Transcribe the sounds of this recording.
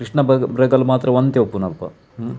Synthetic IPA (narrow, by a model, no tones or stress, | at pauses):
kɾiʂɳɐbɐbɾɐɡɐlmaːt̪ɾɐʋɐnd̪eopːunɐlpɐ̰